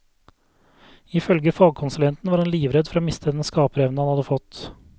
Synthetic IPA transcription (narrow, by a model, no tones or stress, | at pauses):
ɪfœlɡəfɑːɡ̚kʰʊnsʉlɛnt̪n̩ʋɑːɾɛnliːʋɾɛd̪fɔɾoːmɪst̪ʰəd̪ɛnskɑːpəɾɛʋnhɑnhɑd̪əfɔt̪